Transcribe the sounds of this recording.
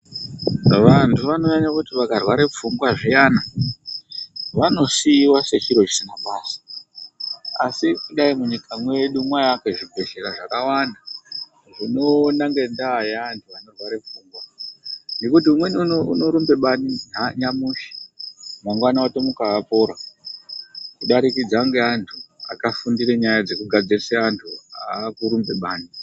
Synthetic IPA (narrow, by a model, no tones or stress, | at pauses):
ʋantʰuʋano̞ɲaɲakutiʋakarwaɾe̞p͡fuŋɡwaʐijaːna | ʋano̞siwaset͡ʃiɾo̞t͡ʃisinaɓaːsḁ | asikuɗaimuɲikamwe̞ɗumwajake̞ʐibʱe̞ʃeɾaʐakawanda | ʐino̞naŋɡe̞ndaːjeantʰuano̞vʱaɾevuːŋɡwa | nekut̬iumwe̞niuoṵno̞ɾumbe̞ɓaniɦaɲamuʃi̥maŋɡwanawato̞mukaapo̞ːɾa | kuɗaɾikid͡zaŋɡe̞antʰua̰kafundiɾeɲajad͡ze̞kuɡʱad͡ziriseantʰua̰kuɾumbe̞ɓaːni